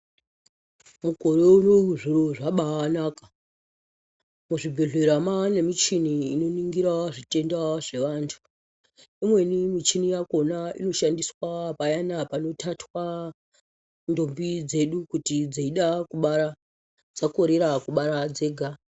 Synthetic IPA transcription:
muɡʱo̞ɾeunouʐiɾoʐaɓaanaːka | muʐibʱeɮeɾamanemit͡ʃiniːno̞niŋɡiɾaʐite̞ndaʐe̞ʋaːntʰu̥ | imwe̞nimit͡ʃinijako̞naḭno̞ʃandiswapajanapano̞tʰatwa | ndo̞mbid͡ze̞ɗukutid͡zaiɗakuɓaɾa | d͡zako̞ɾeɾakuɓaɾad͡ze̞ːɡʱa

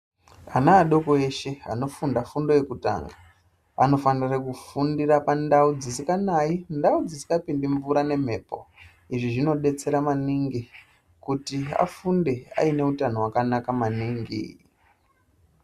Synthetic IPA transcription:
anaːɗo̞ko̞e̞ʃe̞a̰no̞fundafundo̞je̞kuta̰ːŋɡa | ano̞fanirrekufundirapandaud͡zisikanaindaud͡zisi̥kapindiɱvuɾane̞m̤e̞po̞̰ | iʐiʐino̞ɗe̞t͡se̞ɾamaniŋɡi | kutia̰funde̞a̰ine̞utanowakanakamaniːŋɡḭ

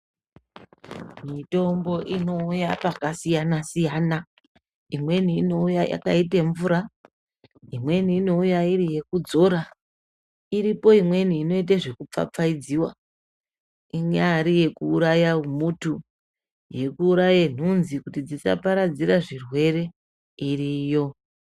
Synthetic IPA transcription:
mito̞mbo̞ʔino̞ujapakasijanasijana | imwe̞niːno̞ujaja̰kaiteɱvuɾa | imwe̞niːno̞ujaiɾije̞kud͡zo̞ɾa | iɾipo̞imwe̞niːno̞it̬aʐe̞kup͡fa̰p͡faid͡ziwa̰ | iŋaːɾije̞kuːɾajaumutu | je̞kuːɾajen̤unzikutid͡zisa̰paɾad͡ziɾaʐirwe̞ɾe̞ | iriːjo̞

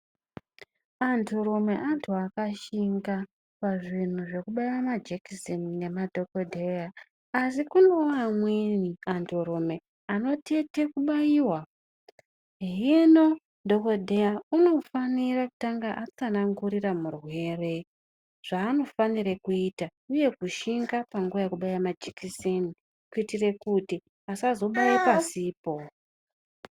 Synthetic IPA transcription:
antʰoɾome̞ʔantʰuakaʃiŋɡa | paʐin̤uʐe̞kuɓaiwamad͡ʒekisenine̞madʱo̞kodʱeja | asikuneoamweniantʰoɾome̞ | ano̞te̞te̞kuɓajiwa | ɦino̞ | ndoko̞dʱejauno̞faniraku̥taŋɡaʔat͡sanaŋɡuɾiramurwe̞ːre | ʐ̥aːno̞faniɾekuitauje̞kuʃiŋɡapaŋɡuʋajekuɓajamad͡ʒikiseni | kuitire̞kuti | asazo̞ɓajipasiːpo̞

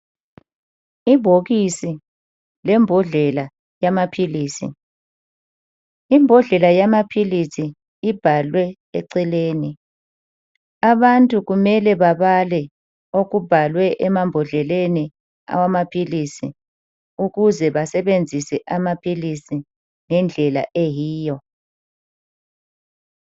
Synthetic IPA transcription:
iβʱoɣisi | lɛmbʱɔɮɛla | jamapʰiliːsḭ | imbʱɔɮɛlajamapʰilisiː | b̥ʱalwɛ | ḛǀileːni | aβantʼuɣumɛlɛβaβalɛ | oɣub̥ʱalwɛʔɛmambʱɔɮɛleni | a̰wamapʰilisḭ | uɣuzɛβasɛβend͡zʱisɛʔamapʰilisi | ŋɛnd͡ɮʱɛla̰ʔejiːjɔ

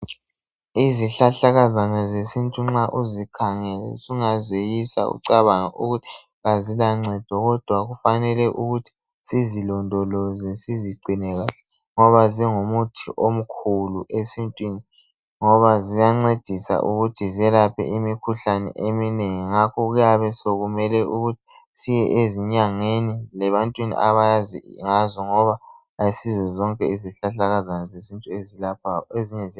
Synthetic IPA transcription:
iziɬaɬaɣazanazesintʼuŋ͡ǁaʔuzikʰaŋɛlɛsuŋazejisa̰ṵǀaβaŋaʔṵɣutʰi̥ | ɣazilaŋ͡ǀɛd̥ʱɔɣɔd̥ʱwaɣufanɛlɛʔuɣutʰi̥ | sizilɔndʱɔlɔzɛsiziɡ͡ǀʱinɛɣalɛ | ŋɔβaziŋomutʰḭʔom̩kʰuluʔesintʼwini | ŋɔβazijaŋ͡ǀed̥ʱisa̰ʔuɣutʰiziɛlapʰɛ̰ʔimikʰuɬanɛ̰ʔemineŋiŋakʰɔɣujaβɛsoɣumɛlɛuɣutʰi̥ | sijɛʔeziɲaŋenilɛβantʼwinḭʔaβajazḭŋazɔŋɔβa | aisizɛzɔŋkʼɛiziɬaɬaɣazanɛzezintʼuezilap̚ʰaeziɲɛzi

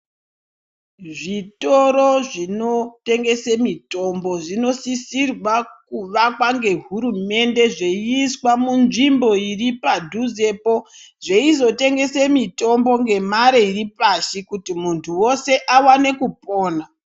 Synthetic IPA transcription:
ʐito̞ɾoʐino̞te̞ŋɡe̞semito̞mbo̞ʐino̞sisirwakuʋakwaŋɡe̞ɦuɾume̞nde̞ʐeiiswamunʐimbo̞iripadʱuzepoʐeizo̞te̞ŋɡe̞semito̞mbo̞ŋɡe̞maɾeiripaʃikutimuntʰuwo̞se̞ʔawane̞kupo̞ːna

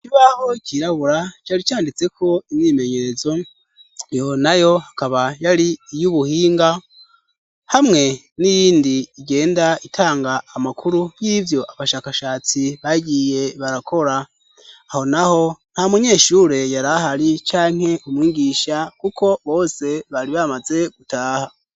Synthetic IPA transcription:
iciβaho̞ciɾaβuɾat͡ʃaːɾit͡ʃaːndit͡se̞kʰo̞imɲime̞ɲe̞ɾe̞zo̞ | jo̞najo̞hakaβajaɾiːjuβuhiːŋɡa | hamŋe̞ | nijiːndiːɟe̞ːndaitʰaːŋɡaːmakʰuɾujivjo̞ʔaβaʃaːkaʃaːt͡siβaɟije̞βaɾakʰo̞ɾaː | ho̞naho̞n̥hamuɲe̞ːʃuɾe̞jaɾahaɾit͡ʃaːŋ̥e̞ʔumwiːɡiʃakukʰo̞βo̞ːse̞βaɾiβamaze̞ɡ̥utaːha

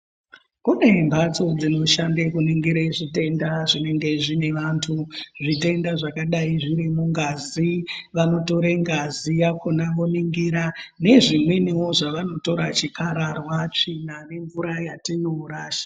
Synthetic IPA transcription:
kune̞mbat͡so̞d͡zino̞ʃandekuniŋɡiɾeʐite̞ndaʐine̞ŋɡe̞ʐine̞ʋantʰuʐite̞ndaʐakaɗaiʐiɾimuŋɡaziʋano̞to̞ɾeŋɡazijakʰo̞naʋoniŋɡiɾane̞ʐimwenewo̞ʐaʋano̞to̞ɾat͡ʃikaɾarwat͡ʂinane̞ɱvuɾajatinouɾaːʃḁ

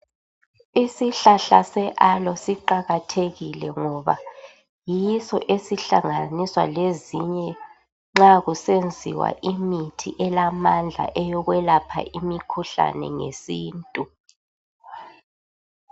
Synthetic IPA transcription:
isiɬaɬasɛʔalɔsiǃaɣatʰeɣilɛŋɔβa̰ | jiisɔ̰ʔesiɬaŋaniswa̰leziɲɛ | ŋ͡ǁaɣusend͡zʱiwa̰ʔimitʰiʔɛlamand͡ɮʱa̰ʔɛjɔɣwɛlapʰa̰ʔimikʰuɬa̰nɛ̰ŋesiːntʼu

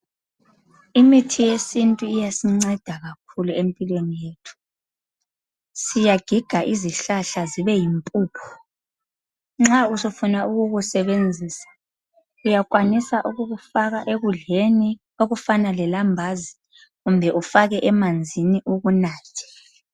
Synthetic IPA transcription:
imitʰijesintʼuijasiŋ͡ǀɛd̥ʱaɣak̚ʰuluempʼilwenijeːtʰu̥ | sijaɡ̥ʱiɡ̥ʱaʔiziɬaɬaziβɛjimpʼuːpʰɔ̥ | ŋ͡ǁausufunauɣuɣusɛβend͡zʱiːsḁ | ujakʼwanisaʔuɣuɣufaɣaʔeɣuɮeni | oɣufanalɛlambʱazi | ɣumbʱɛʔufaɣɛʔɛmand͡zʱiniʔuɣunaːtʰɛ̥

